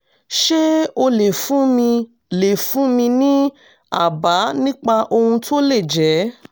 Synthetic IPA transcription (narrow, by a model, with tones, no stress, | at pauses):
ʃe˦o˧le˨fũ˦mĩ˧ | le˨fũ˨˦mĩ˧nĩ˦ | a̰˦˨ba˨˦nĩ˦k͡pa˧ʔo˧hũ˧tʰo˦le˦˨d͡ʒɛ˨˦